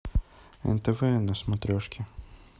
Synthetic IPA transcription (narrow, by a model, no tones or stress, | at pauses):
ɛ̰nt̪ɛvɛnɐsmɐt̪ɾʲɔʂkʲʰɪ